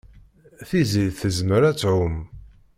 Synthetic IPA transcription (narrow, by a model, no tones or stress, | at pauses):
θiziðθəzməɾæt͡sːʕʊm